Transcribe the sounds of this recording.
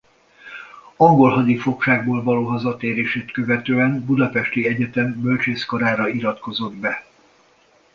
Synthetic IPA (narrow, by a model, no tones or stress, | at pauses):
ɒŋɡo̞lɦɒd̪ifo̞kʃaːɡboːlvɒloːɦɒzɒt̪eːɾeːʃeːt̪kø̞vɛt̪øːɛmbud̪ɒpɛʃt̪iɛɟɛt̪ɛmːølt͡ʃeːskoɾaːɾɒiɾɒt̪ko̞zo̞d̪bɛ